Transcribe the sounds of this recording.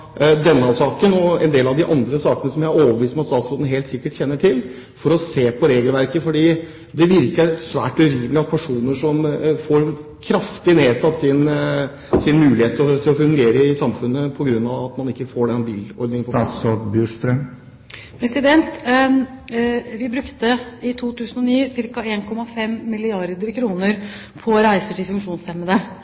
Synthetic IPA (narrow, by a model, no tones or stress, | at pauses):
d̪ɛnːəɑsɑːkənɔɛ̰nd̪eːlɑʋd̪ɪʔɑnd̪ɾəsɑːkənəsɔmjæɪɾoːʋəʋiːst̪mɛɑt̪st̪ɑːt̪sɔd̪nɦeːlt̪sɪkːəʈçɛnːəʈʰɪl | fɔɾɔseːpʰɔɾeːɡəlʋæɾkəfɔɖiː | d̪ɛʋɪɾkəsʋæ̰ːʈʉɾiːmlɪɑt̪pʰæʂuːnəʂɔmfɔɾkʰɾɑft̪ɪneːsɑt̪ːsɪn | sɪnmʉːlɪheːt̪ʰːt̪ʰɪlɔfʉŋɡeːɾəɪsɑmfʉnːəpʰɔɡɾʉnːɑʋɑt̪mɑnɪkːəfoːɖɛɑbiːlɔ̰ɾd̪ɪŋpʰɔsɔbjʉːʂt̪ɾœm | pʰɾɛsɪd̪ɛnt̪ | ʋɪbɾʉkt̪əɪt̪ʰuːt̪ʰʉːsənɔniːsɪɾkɑeːnkʰɔmɑfɛmːɪlɪɑɾd̪əɾkʰɾuːnəɾ | pʰɔɾæɪsəʈɪlfʉŋkʂuːnsɛmːəd̪ə